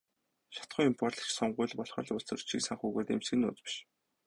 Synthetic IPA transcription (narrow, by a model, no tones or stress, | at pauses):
ʃḁt̪χʊːʊmpɔrɮə̆t͡ɕsɔɴɢʊːɮpɔɮχɞ̆ɮʊɮt͡sə̆r̥t͡ɕʰiksaɴχuːɣoːt̪ḛmsɡɘ̆nːʊ̰ːt͡spi̥ʃ